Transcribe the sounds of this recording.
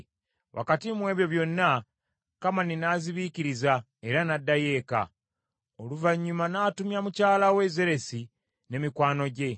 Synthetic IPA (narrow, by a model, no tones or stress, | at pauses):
wʔa̰katimwe̞ːβjo̞βjo̞nːa | kamaninaːziβiciɾiza | e̞ɾanadːaje̞ːka̰ | oluvaɲːumanaːtumjamucaːlawe̞ze̞ɾe̞si | ne̞mikwaːno̞ɟe̞